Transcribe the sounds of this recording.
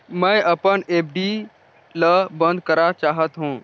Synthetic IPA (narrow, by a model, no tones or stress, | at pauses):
məjəpəɳep̚ɖi | ləbə̃nd̪kəɾat͡ʃaɦət̪ɦũ